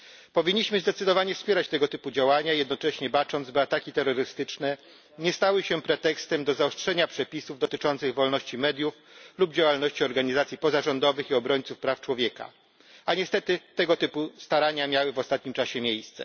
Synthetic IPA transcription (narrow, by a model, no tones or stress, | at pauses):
pɔvʲiɲːiɕmɘzd̪ɛt̪sɘd̪ɔvaɲɛfspʲɛɾat͡ɕt̪ɛɡɔt̪ɘpud͡ʑawaɲajɛd̪nɔt͡ʂɛɕɲɛbat͡ʂɔnd̪zbɘat̪akʲit̪ɛɾːɔɾɘst̪ɘt͡ʂnɛ | ɲɛst̪awɘɕɛpɾɛt̪ɛkst̪ɛmd̪ɔzaɔstʂɛɲapʂɛpʲisuvd̪ɔt̪ɘt͡ʂɔnt̪sɘɣvɔlnɔɕt͡ɕimɛd̪ʲjuf | lubd͡ʑawalnɔɕt͡ɕiɔɾɡaɲizat̪sʲjipɔzaʐɔnd̪ɔvɘxiɔbɾɔɲʲt̪sufpɾaft͡ʂwɔvʲjɛka̰ | aɲɛst̪ɛt̪ɘt̪ɛɡɔt̪ɘpust̪aɾaɲamʲjawɘvɔst̪at̪̚ɲimt͡ʂaɕɛmʲjejst̪sɛ̰